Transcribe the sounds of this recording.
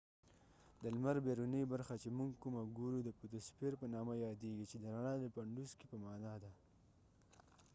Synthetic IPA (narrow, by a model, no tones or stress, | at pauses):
d̪əlmaɾbeɾunibaɾxat͡ʃemuŋɡkumaɡuɾud̪əput̪əspeɾpənɑmajɑd̪eɡit͡ʃed̪əɾaɳad̪əpaɳɖuskipəmɑnɑd̪a